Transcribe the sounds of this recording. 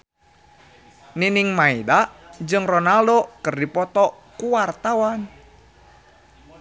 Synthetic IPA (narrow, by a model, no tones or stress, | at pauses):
niniŋmaidaʔd͡ʒɨŋrɔnaldokɨrdipɔt̪ɔ | kuwart̪awan